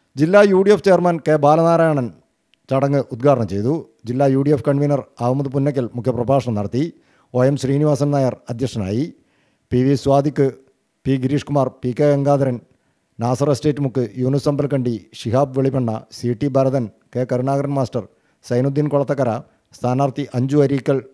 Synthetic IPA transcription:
d͡ʑilːaːjuːɽijeft͡ɕe̞jɐrmɐnkeːbaːlɐnaːɾaːjɐɳɐn | t͡ɕɐɽɐŋːɨʔud̪̚ɡaːɖɐɳɐmt͡ɕe̞jt̪u | d͡ʑilːaːjuːɽijefkɐɳʋinɐraːʋumɐðɨpunːɐk̬ʲːilmukʰjɐprɐbʱaːʂɐɳɐmnɐɽɐt̪ːi | o̞ːjemɕriːniʋaːsɐnnɐjɐrɐd̪ʱjɐkʂɐna̰ːji | piʋisʋaːd̪ikːɨ | piːɡiɾiːʂkumaːrpiːkːeɐŋɡaːd̪ɐɾɐn | naːsɐresʈeːtːɨmukːɨjuːnusɐmbɐlkɐɳɖiʂiɦaːbʋeɭipeɳːɐsiːʈːibʱɐɾɐðɐn | keːkɐɾuɳaːɡɐɾɐnmaːsʈɐr | sɐjnud̪ʱːinkoɭɐt̪ːɐkːɐɾɐ | st̪ʰaːnaːrt̪iʔɐɲd͡ʑuɐɾiːkːɐɭ

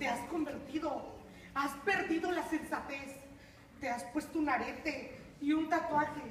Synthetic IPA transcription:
t̪e̞asko̞mbe̞ɾt̪iðo̞ | aspe̞ɾðiðo̞lase̞nsat̪e̞s | t̪e̞aspwe̞st̪ounaɾe̞t̪e̞ | iunt̪ak̪waxe

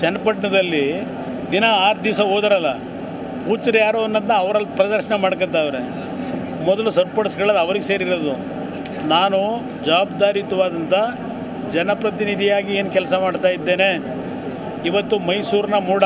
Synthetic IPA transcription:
t͡ʃɛnɐpɐʈɳɐd̪ɐlːi | d̪inɐaːɾd̪iʋsɐɦoːd̪ɐɾɐlːɐ | uːt͡ʃːɐɾjaːɾoːɐnːɐd̪nɐːʋɐɾɐlːpɾɐd̪ɐɾʂɐɳɐmaːɽkɐnt̪ɐʋɐɾe | mɔd̪ɐlusɐɾpɐɽɐsɡɐɭɐd̪ɐʋɐɾiɡese̞ːɾiɾod̪u | naːnu | d͡ʒɐaːbd̪aːɾit̪ɐʋaːd̪ɐnt̪ɐ | d͡ʒɛnɐpɾɐt̪inid̪ʱijaːɡieːnkɛlsɐmaːɖt̪aːjid̪ːe̞ːne | iʋɐt̪ːumɐjsuːɾnɐmuːɽ

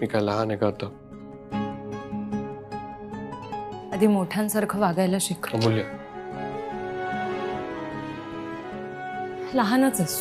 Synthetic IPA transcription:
mikajlaɦanekat̪a | ad̪ʱiːmoʈʰjãnsəɾkʰəʋaɡajlaɕikʰbulja | laɦanət͡ses

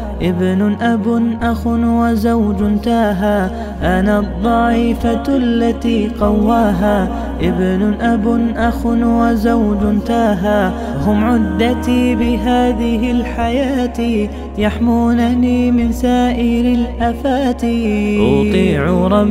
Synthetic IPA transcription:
ʔɪbnʔabʊnʔaxʊnwazawd͡ʒʊnt̪aːɦa | ʔanad̪ˤːɑːʔɪfalːat̪iːqɑwːaːɦaː | ʔɪbnʊʔabʊnʔaxʊnwazawd͡ʒʊnt̪aːɦa | hʊmʕʊd̪ːat̪iːbɪɦaːðɪɦɪlħajaːt̪ | jaħmuːnaniːmɪnsaːʔɪɾɪlʔafaːt̪iːt̪ˤiːʕuɾˤɑ

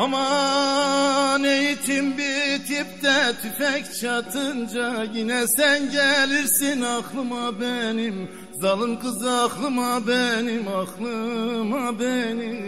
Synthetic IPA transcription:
ɑmɑ | nejit̪ʰimbiɾt̪ʰip̚t̪ɛt̪ʰyfɛct͡ʃʰɑt̪ʰɯnd͡ʒɑjinɛsænɟɛliɾsinɑxlˠɯmabɛnim | zɑlˠɯnkʰɯzɑxlˠɯmabɛnimɑxlˠɯmɑbɛni

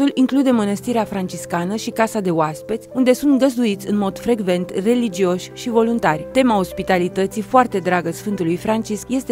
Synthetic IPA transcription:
uliŋklud̪e̞mənəst̪iɾeafɾant͡ʃiskanəʃikasad̪e̞oaspet̪ʲund̪e̞sunt̪ɡəzd̪uit̪sʲɨnmo̞d̪̥fɾe̞ɡve̞nt̪re̞lid͡ʒio̞ʃʲʃivo̞lunt̪arʲt̪e̞mao̞spit̪alit̪ət̪sifoart̪e̞d̪ɾaɡəsfɨnt̪ulujfɾant͡ʃiskje̞st̪e

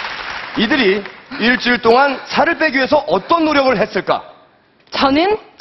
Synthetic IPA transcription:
idɯɾiiɭt͡ɕ͈uɭt͈oŋansʰaɾɯɭp͈e̞ɡie̞sʰʌʔʌt͈ʌnːoɾjʌɡɯɭɦe̞s͈ɯɭk͈a̰ | t͡ɕʌnɯn

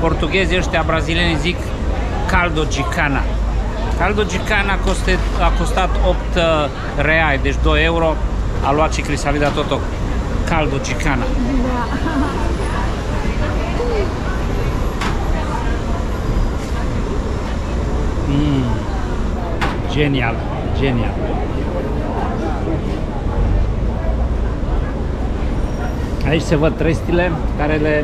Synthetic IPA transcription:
po̞rt̪uɡʲezəʃt̪eabɾazilienizikː | ald̪od͡ʒikʰana | kald̪od͡ʒikanakost̪eakost̪at̪opt̪ | reajd̪e̞t͡ʃd̪ojeuɾo̞alwat̪ʃikɾisalid̪at̪ot̪o | kald̪od͡ʒikanad̪a | d͡ʒenial | d͡ʒenial | ait͡ʃʲsevəd̪̚t̪ɾest̪ilekaɾele

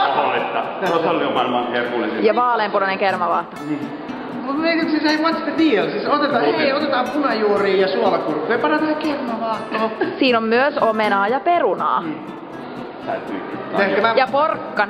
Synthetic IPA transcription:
olit̪ːɑt̪osolioʋɑnmɑːnkerkulḛsijɑʋɑːleːmpunɑneŋkermɑʋɑːht̪o | mumet̪imsiseiʋɑnt̪si̥t̪ːet̪ielsisot̪et̪ɑːeiot̪et̪ɑːmpunɑjuoriːjɑsuolɑkurkepɑnɑt̪ɑːkermɑʋɑːˑht̪oːsiːnommyøsomenɑːjɑperunɑ̰ː | t̪æ̰yt̪y̰ːt̪ːehkæmæjɑporkːɑn

